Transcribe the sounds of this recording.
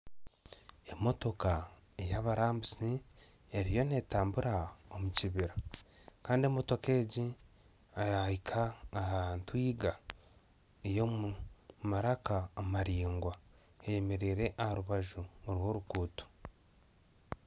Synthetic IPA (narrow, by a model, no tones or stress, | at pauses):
e̞mo̞to̞ka | ejaβaɾaːmbusi | eɾijo̞ne̞ːtaːmbuɾaomuciβiɾakaːndie̞mo̞to̞ke̞ːɟi | ajaikʰaːhantwiːɡa | ejomumaɾakaːmaɾiːŋɡwa | eje̞me̞ɾeːɾe̞ʔahaɾuβaʒuoɾwo̞ːɾukuːto̥